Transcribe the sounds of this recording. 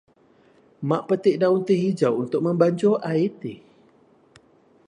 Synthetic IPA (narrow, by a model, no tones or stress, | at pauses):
maʔpət̪iʔdaunt̪iɦid͡ʒawʔunt̪ʊk̚mə̃mbaɲt͡ʃoʔait̪i